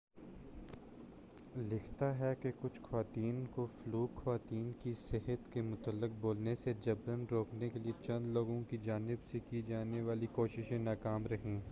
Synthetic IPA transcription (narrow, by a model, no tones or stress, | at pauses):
lɪkʰt̪aɦɛkekʊt͡ʃʰxɐʋaːt̪iːnkofluːxɐʋaːt̪iːnkisɪɦət̪kemʊt̪əlːɪq̚boːlnesed͡ʒɐbɾənɾoːknekeliet͡ʃɐ̃nd̪loːɡõkid͡ʒaːnɪbsekid͡ʒaːneʋaːlikoːʃɪʃẽnaːkaːmɾɐɦẽː